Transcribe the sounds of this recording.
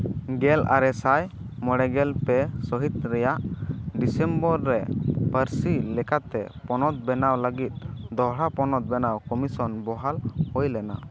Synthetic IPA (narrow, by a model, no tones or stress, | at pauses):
ɡɛla̰ɾɛsaj | mɔɽɛɡɛlpɛsɔɦit̪̚ɾɛjaʔɖisɛmbɔɾːɛbəɾsilɛkat̪ɛpɔnɔt̪̚bɛnawləɡit̪̚ˀd̪ɔɦɽapɔnɔt̪̚bɛnawkɔmisɔnbɔɦalhɔjlɛna̰